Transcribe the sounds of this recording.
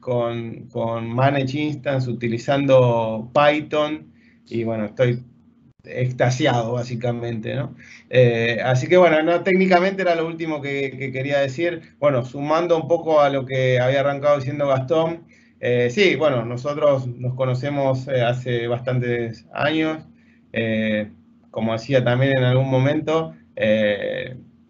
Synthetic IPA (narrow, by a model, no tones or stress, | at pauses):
konkonmanet͡ʃinst̪ans̬ut̪ilisand̪o̞pajt̪on | iβwe̞noest̪o̞j | ḛkst̪asjaðoβasikamẽ̞nt̪ḛno̞eas̬ikeβwe̞nonot̪eknikament̪eeɾaloult̪imo̞kekeke̞ɾiað̞e̞siɾb̥we̞no̞sumand̪o̞umpo̞ko̞alo̞keaβiaːraŋkaðo̞isje̞nd̪oɣast̪om | esiβweno̞no̞so̞t̪ɾo̞sno̞skono̞se̞mo̞seaseβ̞ast̪ant̪esa̰ɲo̞s | e | ko̞mo̞ð̞e̞siat̪ambje̞nenalɣunmõ̞mẽ̞nt̪o̞e